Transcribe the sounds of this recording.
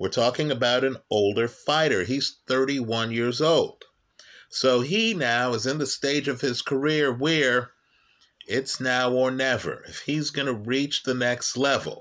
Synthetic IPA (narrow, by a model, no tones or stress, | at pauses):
wəɹtʰɔkɪ̃ŋɨbaʊɾɨ̃noʊlˠdə˞faɪɾə˞iz̥θɜ˞ɾiwʌ̃njɪɹzoʊlˠd̥ | soʊinaʊəzɨ̃nðɨsteɪd͡ʒʌv̥ɪz̥kʰə˞ɪɹwəɹ | ɪtsnaʊə˞nɛvə̰˞ɨ̰fhizɡʌnɨɹit͡ʃðɨnɛkstˡlɛv̰l̩ˠ